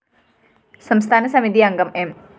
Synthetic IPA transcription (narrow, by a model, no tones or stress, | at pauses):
sɐmst̪ʰaːnɐsɐmid̪iɐŋɡɐmem